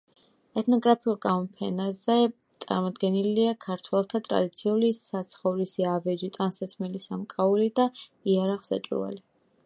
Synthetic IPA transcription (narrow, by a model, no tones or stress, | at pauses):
ɛt̪ʰnɔɡɾapʰiulˠɡamɔpʰɛ̰nazɛ | t̪sʼa̰ɾmɔd̪ɡɛniliakʰaɾt̪ʰwɛlˠt̪ʰat̪ʼɾa̰d̪it̪sʰiulisat̪sʰχɔvlisiavɛd͡ʒit̪ʼansɛt̪ʰmɛlisamkʼaulid̪aiaɾaχsa̰t͡ʃʼṵva̰li